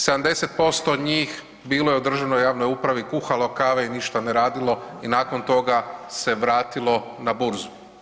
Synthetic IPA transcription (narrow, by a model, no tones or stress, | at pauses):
se̞d̪amd̪e̞set̪̚po̞st̪oɲiːx | biːlˠo̞jeud̪r̩ʒanojaːʋno̞jupɾaʋikuxalokaʋeiniʃt̪aneɾaːd̪ilo̞inaːko̞nt̪o̞ɡase̞ʋɾaːt̪ilˠo̞ | nabuɾzu̥